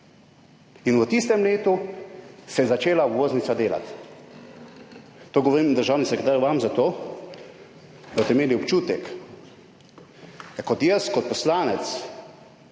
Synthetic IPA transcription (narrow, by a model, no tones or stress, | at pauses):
inwət̪ist̪ɛmleːt̪u | sɛjzat͡ʃeːlaʋoːznit̪sad̪eːla̰t̪ | t̪ːoːɡɔʋoɾimd̪əɾʒawnisɛkɾet̪aːɾjʋamzat̪oː | d̪abt̪ɛimeːliɔpt͡ʃuːt̪ɛk | kɔt̪jɛskɔt̪̚pɔslaːnɛt̪s